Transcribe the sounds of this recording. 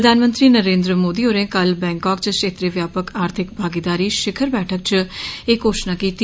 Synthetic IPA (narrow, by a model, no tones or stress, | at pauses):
əd̪ʱaːnmə̃nt̪ɾiːnəɾẽːnd̪ɾəmoːd̪iːɦoːɾẽːkəlbɛ̃ːŋkaːkt͡ʃəʃʰeːt̪ɾeːʋjaːpəkaːɾt̪ʰɪk̚bʱaːɡid̪aːɾiːʃɪkʰəɾbɛːʈʰək̚t͡ʃekoːʃnaːkiːt̪i